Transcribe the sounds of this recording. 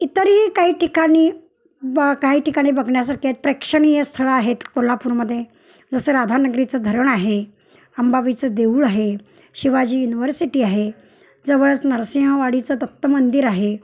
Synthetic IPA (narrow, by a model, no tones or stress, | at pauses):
it̪əɾikaɦiːʈikaɽ̃iː | kaɦiːʈikaɽ̃iːbəɡʱɳjasaɾket̪̚pɾekʂəɳ̃ijəst̪ʰəɭəaɦet̪kolapuːɾməd̪ʱːje | d͡zəsəːɾad̪ʱanəɡɾit͡səd̪ʱəɾəɳaɦe | əmbaʋit͡səd̪euːɭaɦe | ɕiʋad͡ʑiːjuniʋəɾsiʈiːaɦe | d͡zəʋəɭət͡snəɾsiɦə̃ʋaɽit͡sət̪ət̪ːəmənd̪iɾaɦe